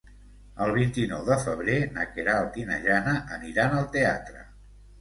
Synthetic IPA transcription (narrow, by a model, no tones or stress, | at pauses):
əlˠβ̞int̪inɔwðəfəβ̞ɾenəkeɾaəlˠt̪inə̰ʒanəʔəniɾanəlˠt̪eat̪ɾə̰